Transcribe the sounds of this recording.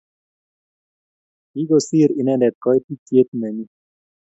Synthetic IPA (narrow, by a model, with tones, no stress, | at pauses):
i˦ɡosi˦ɾi˨nɛ˦ndɛ˨t̪̚kɔ˦jt̪i˦tje˦t̪mɛ˨ni